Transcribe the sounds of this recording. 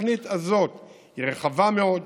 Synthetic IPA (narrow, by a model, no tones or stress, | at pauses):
nit̪azo̞t̪ | hiʁeχavameo̞d